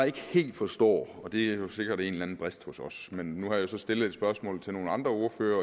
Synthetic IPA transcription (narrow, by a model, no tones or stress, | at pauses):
ɪe̝ɡ̥əhe̝̰ːld̥fɒ̽sd̥ɒ̰ːɒ̽d̥e̝æjose̝ɡ̥ɐd̥æe̝ːnlænn̩b̥ʁæsd̥hɔ̽sɒ̽smenːuhɑ̈josɒ̽sd̥e̝ləð̩ˠed̥sb̥ɶɐsmɔ̰ːlt͡sʰe̝lno̝ːn̩ɑ̈nd̥ʁɐo̝ɐføːɐ